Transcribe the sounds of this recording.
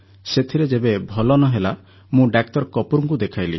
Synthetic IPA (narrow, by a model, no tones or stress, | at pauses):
set̪ʰiɾed͡ʒebebʱɔlɔnɔɦela | mũɖak̚ʈɔɾkɔpuɾuŋkud̪ekʰajlḭ